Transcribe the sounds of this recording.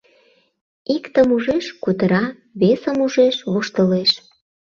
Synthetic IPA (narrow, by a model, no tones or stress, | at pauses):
ikt̪əmuʒeʃkud̪əɾɑ | βesəmuʒeʃβoʃt̪əleʃ